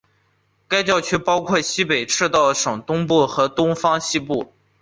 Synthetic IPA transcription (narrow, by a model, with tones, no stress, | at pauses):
ka˥ɪt͡ɕjɑ˥˩˧ʊt͡ɕʰɥɛ˥pɑ˥ʊkʰwɔ˥˩ɕi˥pe˨˩ɪʈ͡ʂʰɻ̩˥˧t̪ɑ˥˩ʊʂɤ˨˩ŋt̪ʊ˥ŋpu˥˩xɤ˧˥t̪ʊ˥ŋfɑ˥ŋɕi˥pu˥˩